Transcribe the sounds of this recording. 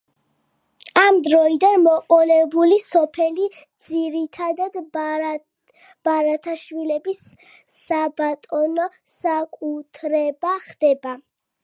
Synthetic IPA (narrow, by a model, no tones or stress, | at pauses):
amd̪ɾɔid̪anmɔqʼɔlɛbulisɔpʰɛli | d̪z̥iɾit̪ʰad̪ad̪ | b̥aɾat̪ʰaʃwilɛbisː | abat̪ʼɔnɔ | sakʼut̪ʰɾɛbaχd̪̥ɛba